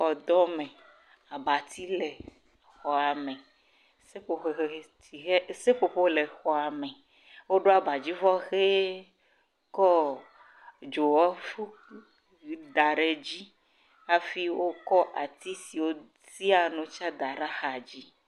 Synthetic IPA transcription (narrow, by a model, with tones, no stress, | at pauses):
ɔ˨d̪ɔ˦mẽ˨ | a˨ba˨t̪ʰi˦le˨ | xɔ˨a˨mɛ̃˨ | se˦ɸo˨ɸe˨xe˨˦ti˨e˦se˦ɸo˨ɸo˦le˨xɔ˨a˨mɛ˨ | wo˦ɖo˦a˨ba˨d͡ʑi˦vɔ˦xe˦ | kɔ˦ | d͡ʒo˨wɔ˦fu˦˨ | d̪a˨ɖe˨d͡ʑi˦ | a˦fi˦wo˦kɔ˦ʔa˨t̪i˦si˨wo˦ | ti˦a˨nũ˨t͡ʃa˦d̪a˨ɖa˦xa˨d͡ʑi˦